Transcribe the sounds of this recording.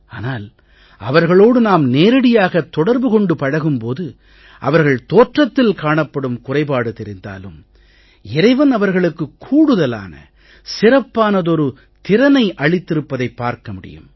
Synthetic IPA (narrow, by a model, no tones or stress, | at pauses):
aːnaːl | ɐʋɐɾɣɐɭoːɽɯnaːmneːɾɐɽɪjaːɣɐt̪ːɔɽɐɾbɯkɔɳɖɯpɐɻɐɣɯmpoːðɯ | ʔɐ̰ʋɐɾɣɐɭt̪oːʈrɐt̪ːɪlkaːɳɐpːɐɽɯmkʊrɐɪpaːɽɯt̪ɛɾɪnd̪a̰ːlɯ̰m | ɪɾɐɪʋɐnɐʋɐɾɣɐɭɯkːɯkʰːuːɽɯðɐla̰ːnɐ̰ | sɪrɐpːaːnɐðɔɾɯ | t̪ɪɾɐnɐɪʔɐɭɪt̪ːɪɾɯpːɐðɐɪpːaːɾkɐmʊɽɪ̰jɯ̰m